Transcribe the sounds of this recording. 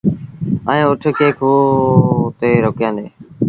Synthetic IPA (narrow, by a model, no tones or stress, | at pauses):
əẽːʊʈʰːkeːkʰoː | t̪eːɾoːkjãːnd̪eː